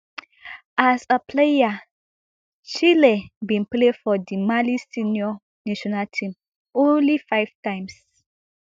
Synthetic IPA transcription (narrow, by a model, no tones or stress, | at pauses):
ʔasəpʰleja | t͡ʃilebĩnplefɔdimalisinjɔ | naʃɔnaltʰĩm | õnlifaɪv̥tãj̃ms